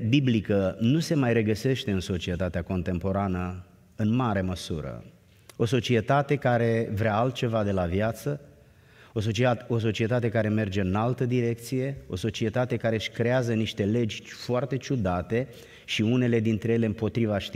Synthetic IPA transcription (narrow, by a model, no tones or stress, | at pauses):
biblikənuse̞majɾe̞ɡəse̞ʃt̪e̞ɨnso̞t͡ʃie̞t̪at̪eako̞nt̪e̞mpo̞ɾanə | ɨnmaɾe̞məsṵɾə̰ | o̞so̞t͡ʃie̞t̪at̪e̞kaɾe̞vɾeaalt̪̚t͡ʃe̞vad̪e̞lavjat̪sə | os̬oo̞s̬o̞t͡ʃie̞t̪at̪e̞kaɾe̞me̞rd͡ʒe̞ɨnalt̪əd̪iɾe̞k̚t̪sije̞o̞̰so̞t͡ʃie̞t̪at̪e̞kaɾe̞ʃkɾe̞azəniʃt̪e̞le̞d͡ʒʲfoart̪e̞t͡ʃud̪at̪e̞ | ʃiune̞le̞d̪int̪ɾe̞jele̞ɨmpo̞t̪ɾivaʃt̪